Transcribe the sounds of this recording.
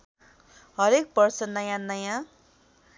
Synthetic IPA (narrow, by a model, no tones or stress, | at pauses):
ɦʌɾek̚bʌrsʌnʌjãnʌjã